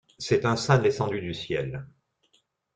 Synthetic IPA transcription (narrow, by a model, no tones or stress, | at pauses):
sɛt̪ɛ̃sɛ̃d̪esɑ̃d̪yd̪ysjɛl